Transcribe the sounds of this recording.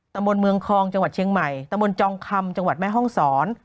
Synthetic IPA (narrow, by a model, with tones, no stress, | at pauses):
t̪a˧mbo˧nmɯ˧əŋkʰɔː˧ŋt͡ɕa˧ŋwa˨˩t͡ɕʰi˧əŋma˨˩jt̪a˧mbo˧nt͡ɕɔː˧ŋkʰa˧mt͡ɕa˧ŋwa˨˩t̪̚mɛː˥˩ɦɔ˥˩ŋsɔː˩˦n